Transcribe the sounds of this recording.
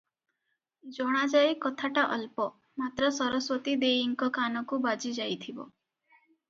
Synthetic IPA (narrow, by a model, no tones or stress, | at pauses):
d͡ʒɔɽ̃ad͡ʒaekɔt̪ʰaʈaʔəlpɔ | mat̪ɾəsəɾəswət̪id̪eiŋkɔkanɔkubad͡ʒid͡ʒajt̪ʰiʋo̰